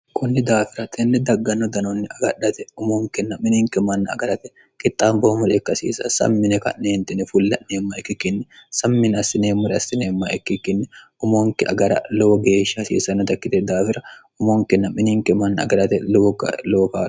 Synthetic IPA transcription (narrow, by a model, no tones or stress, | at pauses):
kʊnːɪd̪aːfɪɾɐt̪ʰʼɛnːɛd̪ɐɡːɐnːɔd̪ɐnonːɪɐɡɐᶑɐt̪ɛʊmoːŋkɛnːɐmɪniːŋkɛmɐnːɐɐ̰ɡɐɾɐt̪ɛ̥ | kʼɪt̪ʼːaːmboːmʊɾɛːkːɐsḭːsɐ̰sɐ̰mːɪnɛkɐ̰nneːnt̪ɪnɛfʊlːɐnneːmːɐɛkːɪkːɪnːɛsɐmːɪnɐsɪneːmːʊɾɛɐsɪneːmːɐɛkːɪkːɪnːɛ | ʊmoːŋkɪʔɐ̰ɡɐɾɐ̰loːɡe̞ːʃːɐsḭːsɐnːɐt̪ɐkːɪt̪ɛd̪aːfɪɾɐ | ʊmoːŋkɪnːɐmɪniːŋkɛmɐnːɐɐ̰ɡɐɾɐt̪ɛlokɐ̰loːka̰ː